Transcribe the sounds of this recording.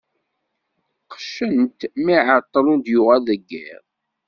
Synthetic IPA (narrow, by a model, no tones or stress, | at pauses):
qʃənt̪miʕət̪ˤːlund̪jʊʁæləɡːḭʁ